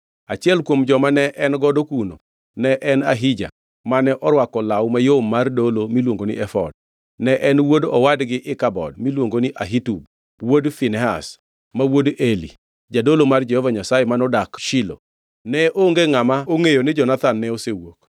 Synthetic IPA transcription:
at͡ʃɪɛlkwomd͡ʒɔmanɛʔɛnɡɔdokuno̰ | nɛʔɛnaɦid͡ʒa̰ | manɛʔɔɾwakɔlawmajomːardolomilwoŋɡonɪ̰ʔɛfɔ̰d̚ | nɛʔɛnwodɔ̰wadɡɪʔɪkabɔ̰dmilwoŋɡonɪʔaɦitub̚ | wodfinɛɦa̰s | mawodelḭ | d͡ʒadolomard͡ʒehɔvaɲasajemanɔdakʃɪlo̰ | nɛʔoŋɡeŋamaoŋejonɪd͡ʒɔnat̪anːɛosewok

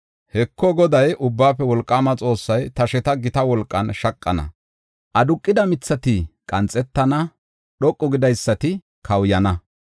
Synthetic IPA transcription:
hɛkʰːɔɡɔd̪ɐjʔʊbːaːpːɛwɔlkʼːaːmɐt͡sʼo̞ːsːɐjt̪ɐʃɛt̪ɐɡɪt̪ɐwɔlkʼːɐnʃɐkʼːɐ̰nɐ̰ | ʔɐd̪ʊkʼːɪd̪ɐmɪt͡sːɐt̪ɪkʼɐnt͡sʼːɛt̪ːɐnɐ | ɗɔkʼːɔɡɪd̪ɐjsːɐt̪ɪ | kʰɐwjɐnɐ

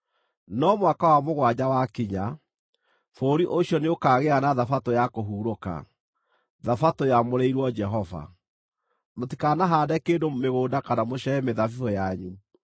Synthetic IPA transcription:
nɔmwakawamoɣwaɲawakiɲa | foːɾiʔoɕjɔneokaːɣeanaðafatojakoɦuːɾoka̰ | ðafatojamoɾɛiɾwɔd͡ʒɛɦɔva̰ | motikanaɦaːdɛkeːdomeɣoːdakanamoɕɛɛmeðafifɔjaɲu

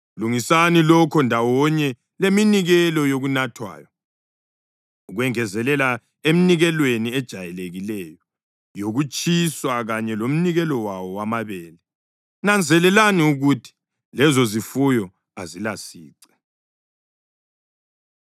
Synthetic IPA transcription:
luŋisanilɔkʰɔndʱawɔɲɛ | leminiɣɛlɔjoɣunatʰwa̰ːjɔ | uɣwɛŋɛzɛlɛla | em̩niɣɛlweniɛd̥ʒ̥ʱajɛleɣilɛjɔ | joɣut͡ʃʼiswaɣaɲɛlom̩niɣɛlɔwawɔwamaβɛːlɛ | nand͡zʱɛlɛlaniuɣutʰi̥ | lɛzɔzifujɔ | azilasḭːǀɛ̥

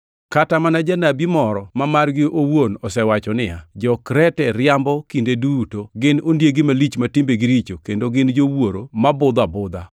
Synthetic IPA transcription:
katamanad͡ʒanabimɔɾɔmamarɡɪʔowonɔsɛwat͡ʃɔnɪa̰d͡ʒɔkɾɛtɛɾjambɔkindedutoɡɪnondjeɡɪmalit͡ʃmatɪmbeɡɪɾit͡ʃokendoɡɪnd͡ʒowoɾomabʊd̪abʊd̪a

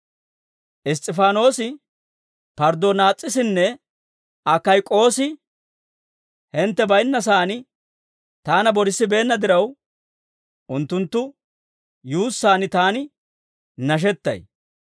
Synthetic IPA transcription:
ʔɪs̬t̪ʼɪfaːno̞ːsɪ | pɐɾd̪onaːt͡sʼːɪsɪnːɛ | ʔɐkːɐjkʼo̞ːsɪ | hɛnt̪ːɛbɐjnːɐs̬aːnɪ | t̪aːnɐbɔɾɪsːɪbe̞ːnːɐd̪ɪɾɐw | ʔʊnt̪ːʊnt̪ːʊ | juːsːaːnɪt̪aːnɪ | nɐʃ̬ɛt̪ːɐ̰j

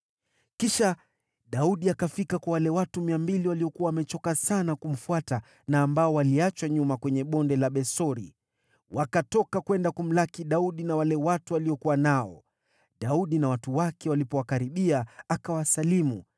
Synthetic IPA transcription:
kiʃa | ɗauɗiakafikakwawalɛwatumiambiliwaliɔkuwawamɛt͡ʃɔkasanakum̩fuata | naːmbaɔwaliat͡ʃwaɲumakwɛɲɛɓɔndɛlaɓɛsɔɾi | wakatɔkakwɛndakum̩lakiɗauɗinawalɛwatualiɔkuwanaɔ̰ | ɗauɗinawatuwakɛwalipɔwakaɾiɓiaakawasalimu

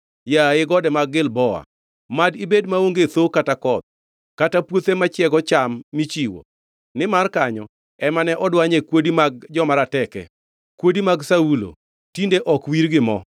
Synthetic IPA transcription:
jaɪɡɔdɛmaɡɪlbɔa̰ | madibedmaoŋɡet̪okatakɔt̪̚ | katapwot̪emat͡ʃɪɛɡɔt͡ʃamːit͡ʃiwo̰ | nɪmarkaɲɔ | ɛmanɛʔɔdwaɲekwodimaɡ̚d͡ʒɔmaɾatɛkɛ̰ | kwodimaɡsaulo̰ | tindeʔɔkwiɾɡɪmɔ

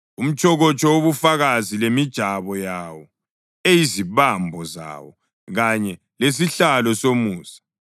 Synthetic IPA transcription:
um̩t͡ʃʼʰɔɣɔt͡ʃʼɔwoβufaɣazilemid̥ʒ̥ʱaβɔjawɔ | ejiziβambʱɔza̰wɔ | ɣaɲɛ | les̬iɬalɔsomuːsḁ

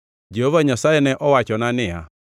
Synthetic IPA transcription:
d͡ʒɛɦovaɲasaɛnɛʔɔwat͡ʃɔnanɪa̰

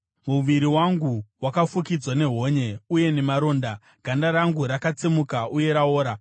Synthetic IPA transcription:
muʋiɾiwaŋɡuwakafukid͡zwane̞ɦo̞ːɲe̞uje̞ne̞maɾo̞ːnda | ɡ̥ʱandaɾaŋɡuɾakat͡semukaʔuje̞ɾao̞ːɾa

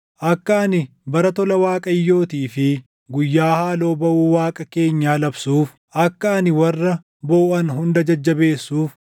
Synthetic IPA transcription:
ʔɐkːɐɐnɪ | bɐɾɐt̪ɔlɐwaːkʼɐjːo̞ːt̪iːfɪ | ɡʊjːaːhaːlo̞ːbɐʔuːwaːkʼɐke̞ːɲːaːlɐbsuːf | ʔɐkːɐɐnɪwɐrːɐ | bo̞ːʔɐnɦʊnd̪ɐd͡ʒɐd͡ʒːɐbe̞ːsːuːf

